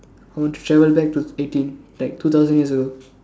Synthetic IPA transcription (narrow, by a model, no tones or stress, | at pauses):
aɪʋɔ̃nʈu̥ʈɾɛʋəlbɛk̚ʈueːʈĩnlaɪk̚t̪ʰuːt̪ʰaʊzə̃njiəɾzəɡoː